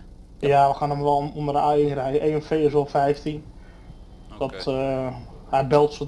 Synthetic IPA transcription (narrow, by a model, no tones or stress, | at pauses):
jaʋəxanəmʋɛlˠundərəajrɛjʔeːənfeːɪs̬ʋolˠfɛjftin | d̥ɔt | habɛlˠtso